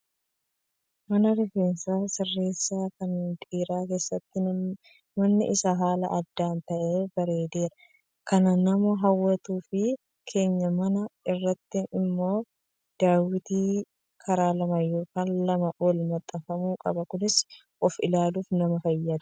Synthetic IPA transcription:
mɐnɐlʊfeːnsaːsɪrːe̞ːsːaːkɐnnt̪ʼiːɾaːke̞ːsːɐt̪ːɪ | mɐnːɪ̰ʔɪsaɦaːlɐ̰ʔɐd̪ːaːnt̪ɐʔeːbɐɾe̞ːd̪e̞ːɾɐ | kɐnɐnɐmɔɦɐwːɐt̪uːfɪ | kʰe̞ːɲːɐmɐnɐɪrːɐt̪ːɪnɪmːo̞ː | d̪̥aːwɪt̪iː | kʰɐɾaːlɐmɐjo̞ːkaːnlɐmɐʔɔlmɐt̪ʼːɐfɐmuːkʼɐbɐkʊnɪs | ʔɔfɪlaːluːfnɐmɐfɐjːɐd̪ɐ

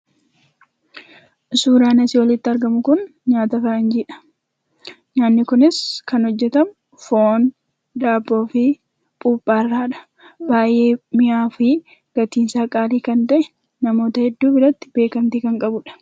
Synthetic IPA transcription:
suːɾaːnɐsɪwɐlɪt̪ːɪɐɾɡɐmʊkʊn | ɲaːt̪ɐfɐɐnd͡ʒɪᶑɐ̥ | ɲaːnːɪkʊnɪskɐnhɔd͡ʒːɛt̪ɐm | foːn | d̪aːbːo̞ːfɪ | pʼuːpʼːaːrːaːᶑɐ̥ | baːjʔeːmɪʔaːfɪ | ɡ̥ɐt̪iːnsaːkʼaːliːkɐnt̪ɐʔɛ̥ | nɐmo̞ːt̪ɐhɛd̪ːuːbɪɾɐt̪ːɪ̥b̥e̞ːkɐnt̪iːkɐŋkʼɐbʊᶑɐ̥

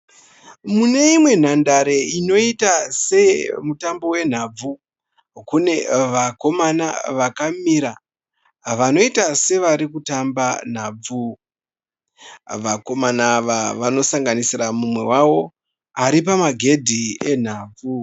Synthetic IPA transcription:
mune̞imwe̞n̤andaɾe̞ino̞itase̞mutambo̞we̞n̤ab͡vu | kune̞ʋako̞mana̰ʋakamiɾa | ʋano̞itase̞ʋaɾikutamban̤aːb͡vu | ʋako̞manaːʋaʋano̞saŋɡanisiramumwe̞̰wawo̞ | aɾip̬amaɡʱe̞dʱie̞n̤aːb͡vu

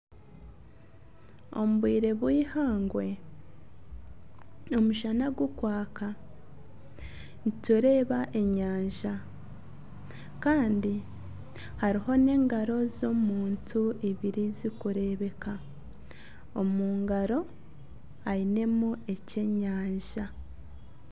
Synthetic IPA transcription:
o̞̰muβwiːɾe̞βwiːhaːŋɡwe̞ | o̞muʒanaɡukwaːka | nituɾe̞ːβaʔe̞ɲaːɲʒa | kaːndi | haɾiɦo̞ne̞ːŋɡaɾo̞zo̞muːntʰuiβiɾizikuɾe̞βe̞ka | o̞muːŋɡaɾo̞ | aine̞mue̞ce̞ɲaːɲʒa

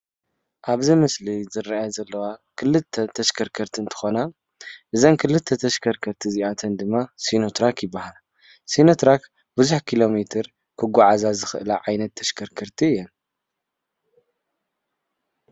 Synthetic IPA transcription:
ʔaβzɨmɐslizɨɾːaʔajazɐlːɐwakʰɨlɨt̪ʰːɐt̪ʰɐʃkʰɐɾkʰɐɾt̪ʰiɨnt̪ʰɨ̥xona | ʔɨzɐnkʰɨlɨt̪ʰːɐt̪ʰɐʃkʰɐɾkʰɐɾt̪ʰiziʔat̪ʰɐnd̪ɨmːasinot̪ʰɾakjɪbːahal | sinot̪ɾak | bɨzuħkʰilo̞met̪ʰɨɾ | kʰɨɡʷaʕazazɨxɨʔɨlaʕajnɐt̪ʰːɐʃkʰɐɾkʰɐɾt̪ʰiɨjːɛn

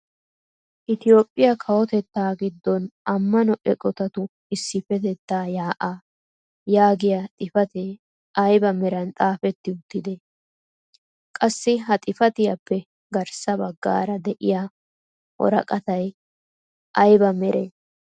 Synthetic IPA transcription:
ʔɪt̪ɪjo̞ːpʼːɪjɐkʰɐwɔt̪ɛt̪ːaːɡɪd̪ːɔnʔɐmːɐnɔʔɛkʼɔt̪ɐt̪ʊ | ɪsːɪfɛt̪ɛt̪ːaːjaːʔaː | jaːɡɪjat̪ʼɪfɐt̪eː | ʔɐjbɐmɛɾɐnt̪ʼaːfɛt̪ːɪʊt̪ːɪd̪e | kʼɐsːɪɦɐt̪ʼɪfɐt̪ɪjɐpːɛ | ɡɐɾsɐbɐɡːa̰ːɾɐd̪ɛʔɪjaː | ʔɔ̰ɾɐ̰kʼɐt̪ɐj | ʔɐjbɐmɛɾʔeː

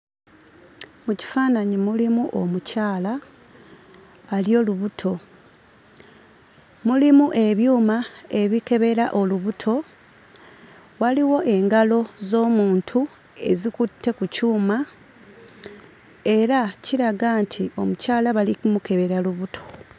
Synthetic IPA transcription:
muci̥faːnaɲimulimuʔo̞̰mucaːla | ljo̞ːluβutʰo̞ | mulimuʔe̞βjuːmae̞βike̞βe̞ɾaʔo̞luβutʰo̞ | waliwo̞ʔe̞ŋɡalo̞zo̞ːmuːntʰu | e̞̰zikutʰːe̞kucuːma | e̞ɾaciɾaɡaːntʰio̞mucaːlaβalikumuke̞βe̞ɾaluβutʰo̞̥

